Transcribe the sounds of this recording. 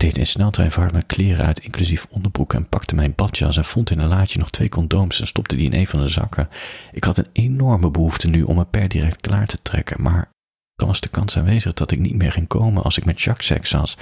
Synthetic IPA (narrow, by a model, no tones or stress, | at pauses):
d̥ejtɪ̰nsnɛlˠtəɛ̰jvɑɹtmɛklɪːrə̰œ̰ɥtɪŋklyzifɔndəɹbrukɛ̰npɑktəmɛjnbɑtt͡ʃɑ̰sɛnv̥ɔntɪnənlaːcənɔχtʋejkɔndowmsɛnstɔp̚tədiɪ̰nʔejnvɑndəzɑ̰kʰəʔɪkɦɑtənenɔɹməbəɦuftənyʔɔ̰məpɛɹdirɛk̚tkla̰ːɹtə̥trɛ̰kə̰nma̰ːɹ | d̥ɑnʋɑzdəkɑnsa̰ːnʋejzəχd̥ɑtɪknit̚mɪːɹχɪŋkowmə̰nʔɑ̰lˠsɪkmɛtʃɑksɛ̰ksɑ̰s